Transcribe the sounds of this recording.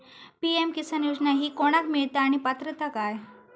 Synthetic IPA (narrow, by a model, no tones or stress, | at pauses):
piemkisənjud͡ʒnaɦiːkoɽ̃akmiɭt̪aːɽ̃ipat̪ɾət̪akaːj